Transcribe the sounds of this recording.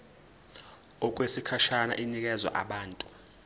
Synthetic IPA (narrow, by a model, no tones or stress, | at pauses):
ɔk̬ʼwesikʰaʃana̰ʔinik̬ʼɛzwa̰ʔa̰ɓaːntʼu̥